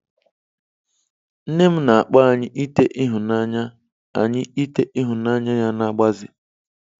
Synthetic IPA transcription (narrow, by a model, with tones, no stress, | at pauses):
n̩˦ne˦m̩˦na˨a˨k͡pa˦˨ɲɪ˦ʔi˦te˦ʔi˦ɦʊ˨na˦ɲa˦ | a̰˨ɲɪ˦i˦te˦ʔi˦ɦʊ˨na˦ɲa˦ja˦na˦ɡ͡ba˦zɪ˨